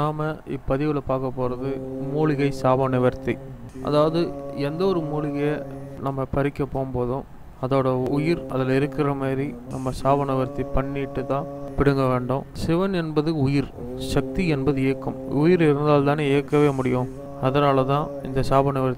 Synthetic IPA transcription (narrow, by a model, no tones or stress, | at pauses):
naːmɐɪpːɐðɪʋɪlɐpaːɾkɐpːoːɾɐðɯmuːɭɪɣɐɪsaːbɐnɪʋɐɾt̪i | ʔɐ̰ðaːʋɐðɯɛnd̪ɐɔɾɯmuːɭɪɣɐjɐnɐmːɐpɐɾɪkːɐpːoːmpoːðʊ̃ | ɐðoːɽɐʊjɪɾɐ̰ðɪlɪɾɯkːɪɾɐmaːdɾinɐmːɐsaːbɐnɪʋɐɾt̪ipɐɳːɪʈːɯt̪ãːpɪɽɯŋɡɐʋeːɳɖõsɪʋɐnɛnbɐðɯʊjɪɾ | ʂɐk̚t̪iɛnbɐðɯeːkːɯmʊjɪɾɪɾɯnd̪aːlt̪aːneːeːkːɐʋeːmʊɽɪjʊ̃ | ɐðɐnaːlɐt̪ãːɪ̰nd̪ɐsaːbɐnɪʋɐɾt̪